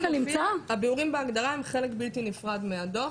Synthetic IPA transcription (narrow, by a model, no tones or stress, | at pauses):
alnimt͡saaabiuʁimbeaɡd̪aʁaemχe̞lekbiltinifʁad̪meado̞